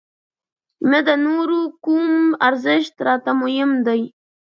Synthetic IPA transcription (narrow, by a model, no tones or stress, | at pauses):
məd̪ənoɾukumaɾzɪʃt̪ɾɑt̪amujɪmd̪aj